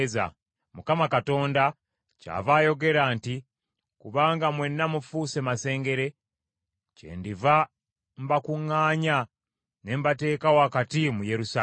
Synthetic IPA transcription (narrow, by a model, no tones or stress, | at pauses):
za̰ | mukamakato̞ːnda | ca̰ːvaːjo̞ɡe̞ɾaːnti | kuβaːŋɡamwe̞nːamufuːse̞mase̞ːŋɡe̞ɾe̞ | cḛːndiva | m̩bakuŋːaːɲa | ne̞mbate̞ːkawakatimuje̞ɾusa